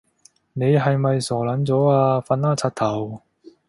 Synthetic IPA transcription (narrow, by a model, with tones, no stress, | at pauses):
ne˨˧jɦɐ˨jmɐ˨jsɔː˨˩lɐ˨˥nt͡sɔː˨˥aː˧fɐ˧naː˥t͡sʰaː˧t̚t̪ʰɐ˨˩w